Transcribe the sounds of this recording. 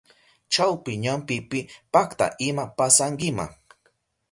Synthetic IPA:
t͡ʃawpɪɲampɪpɪpakt̪a̰ʔɪmapasaŋɡɪma̰

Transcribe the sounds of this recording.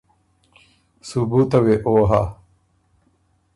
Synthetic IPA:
subuːt̪ɐweʔoːɦaː

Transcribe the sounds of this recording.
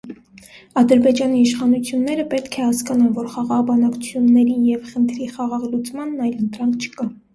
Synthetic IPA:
ɑd̪əɾbɛd͡ʒɑniːʃχɑnut͡sʰjunːɛɾəpɛt̪kʰɛhɑskɑnɑnvɔɾχɑʁɑʁbɑnɑkt͡sʰu̥t͡sʰjunːɛɾijɛvχənt̪ʰɾiχɑʁɑʁlut͡smɑnːɑjlənt̪ɾɑŋkʰt͡ʃʰə̥kɑ

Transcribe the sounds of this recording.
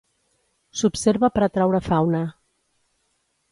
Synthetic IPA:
supseɾβəpəɾat̪ɾawɾəfawnə

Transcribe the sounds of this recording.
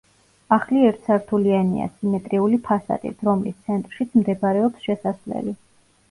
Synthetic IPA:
aχliɛɾt̪ʰsaɾt̪ʰulianḭa̰simɛt̪ʼɾiulipʰasa̰d̪ḭt̪ʰɾɔmlist̪sʰɛnt̪ʼɾʃit̪sʰmd̪ɛbaɾɛɔpsʃɛsaslɛ̰li

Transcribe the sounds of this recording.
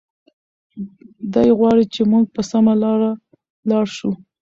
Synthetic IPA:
d̪ajɣwɑɽit͡ʃemuɡ̚pəsamalɑɾa | lɑɽʃu

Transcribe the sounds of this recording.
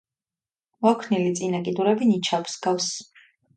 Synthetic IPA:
mɔkʰnilit̪sʼinakʼid̪uɾɛbinit͡ʃʰabsɡafs

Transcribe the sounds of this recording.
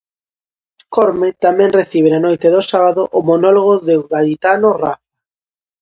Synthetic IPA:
kɔɾmet̪amɛ̃ŋreθiβenanojt̪eðosaβaðʊʔʊmonɔloɣoðeɣalit̪anʊraf

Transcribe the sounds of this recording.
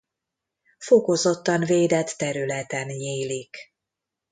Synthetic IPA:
foko̞zo̞t̪ːɒnveːd̪ɛt̪ːɛɾylɛt̪ɛnjeːlik

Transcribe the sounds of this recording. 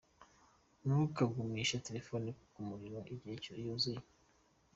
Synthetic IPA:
nuukaɡumiːʃateɾefoniku̥kumuɾiɾwaʔiɟiecojuzije

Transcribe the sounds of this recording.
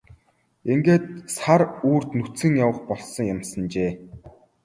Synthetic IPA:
eŋɡeːt̪̚saɾuːr̥t̪nut͡sɘ̆ŋjawə̆χpɔɮsɞ̆ŋjamsə̆nt͡ɕeː

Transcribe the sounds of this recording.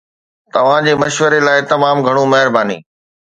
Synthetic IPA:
t̪ɐʋ̤ãd͡ʑeːmɐʃʋəɾelaːɪt̪ɐmaːmɡʱɐɽ̃ũmɐɦɪɾbaːnḭː

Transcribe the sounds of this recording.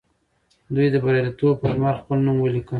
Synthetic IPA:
d̪ujd̪əbaɾɑɾit̪ob̚pəʃmɑɾxpəlnumwəlikə

